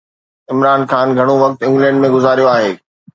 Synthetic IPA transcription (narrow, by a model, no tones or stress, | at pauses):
ɪmɾaːnxaːnɡʱɐɽ̃oʋɐk̚t̪ɪ̃ŋɡlɛ̃ːɳɖmẽɡʊzaːɾijoaːɦeː